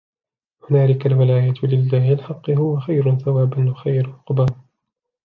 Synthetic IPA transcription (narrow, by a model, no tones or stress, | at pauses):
hʊnaːlɪkalmalaːjaːt̪lɪlːaːhɪɪlħɑqːɨɦʊwaxajɾʊθawaːbanwaxajɾʊqbaːn